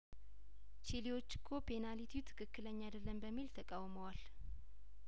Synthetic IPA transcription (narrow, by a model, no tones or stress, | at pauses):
t͡ʃiliwo̞t͡ʃːɪ̥kʰːopʰe̞nalit̪ʰiwt̪ʰɨ̥kʰɨkːɨləɲːad̪əlːəmbəmːilt̪ʰəkʼawməwal